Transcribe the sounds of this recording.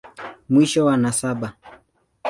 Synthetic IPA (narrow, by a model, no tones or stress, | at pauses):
mwiʃɔwanasaɓa